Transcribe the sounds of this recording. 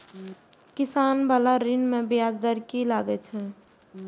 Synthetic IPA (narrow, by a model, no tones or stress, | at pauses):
kisanbalaɾinmẽbjad͡ʒd̪əɾkilaɡɛt͡ʃʰɛ